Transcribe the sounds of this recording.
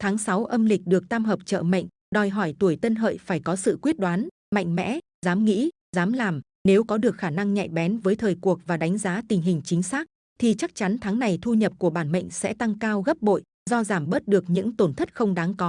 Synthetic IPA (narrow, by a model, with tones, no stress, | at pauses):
t̪ʰaː˨˦ŋsa˨˦wʔə˧mlï˨˩k̟̚ɗɨ˨˩ək̚t̪aː˧mɦəː˨˩p̚t͡ɕə̰ː˧˨mə̰˧˨ŋ̟ | ɗɔ˨˩jɦɔ˧˩jt̪u˧˩əjt̪ə˧nɦə̰ː˧˨jfaː˧˩jkɔ˨˦sɨ̰˧˨kwi˦˥ət̚ɗwaː˨˦n | ma̰˧˨jŋ̟mɛ̰˧˥ | zaː˨˦mŋḭ˧˥ | zaː˨˦mlaː˨˩m | ne˨˦wkɔ˨˦ɗɨ˨˩ək̚xaː˧˩na˧ŋɲa̰˧˨jɓɛ˨˦nvəː˨˦jt̪ʰəː˨˩jku˨˩ək̚vaː˨˩ɗa˨˦jŋ̟zaː˨˦t̪ï˨˩ŋ̟ɦï˨˩ŋ̟t͡ɕï˨˦ŋ̟saː˦˥k̚ | t̪ʰi˨˩t͡ɕa˦˥k̚t͡ɕa˨˦nt̪ʰaː˨˦ŋna˨˩jt̪ʰu˧ɲə˨˩p̚ku˧˩əɓaː˧˩nmə̰˧˨jŋ̟sɛ̰˧˥t̪a˧ŋkaː˧wɣə˦˥p̚ɓo̰˧˨j | zɔ˧zaː˧˩mɓəː˦˥t̚ɗɨ˨˩ək̚ɲɨ̰˧˥ŋt̪o˧˩nt̪ʰə˦˥t̚xə˧wŋ͡mɗaː˨˦ŋkɔ˨˦